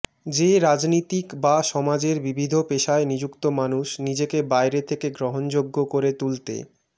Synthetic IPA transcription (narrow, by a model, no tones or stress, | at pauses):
d͡ʑeɾad͡ʑnit̪ikbaʃɔmad͡ʑeɾbibʱid̪ʱopeʃaenid͡ʑukt̪omanuʃnid͡ʑekebajɾet̪ʰekeɡɾoɦond͡ʑoɡːokoɾet̪ult̪ḛ